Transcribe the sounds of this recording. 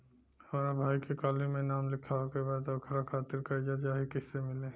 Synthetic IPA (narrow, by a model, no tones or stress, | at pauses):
həmɾabʱaːikekaːlimẽnaːmlɪkʰːaɦokebad̪ɔkʰɐɾakʰaːt̪ɪɾkaid͡ʒad͡ʒaːɦikɪsemɪleː